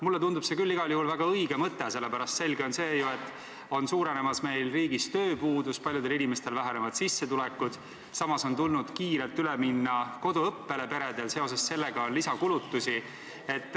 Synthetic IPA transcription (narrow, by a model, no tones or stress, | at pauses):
mulːet̪und̪ub̥se̞kylːiɡ̥ɑljuhulvæɡ̥ɑɤiɡ̥e̞mɤt̪ːˑe̞se̞lːepæɾɑst̪se̞lʲɡe̞o̞nse̞ːjue̞t̪ːˑ | o̞nsuːɾe̞ne̞mɑsme̞jlriːɡ̥ist̪ø̞ːpuːd̪uspɑlʲjud̪e̞linime̞st̪e̞lvæɦenevɑd̪̥sisːe̞t̪ulekːˑud̪̥ | sɑmɑso̞nt̪ulnud̪̥kiːɾelt̪ːyleminːɑko̞d̪uɤpːe̞le̞pe̞ɾe̞d̪̥e̞lse̞o̞s̬e̞sse̞lːe̞ɡ̥ɑonlisɑkulut̪ːusi | e̞t̪ːˑ